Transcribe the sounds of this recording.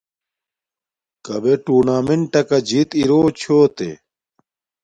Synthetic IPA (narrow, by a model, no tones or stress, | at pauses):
kɐbeʈuːnaːmeɳʈɐkɐd͡ʑit̪iɾoːt͡ɕʰoːt̪ḛ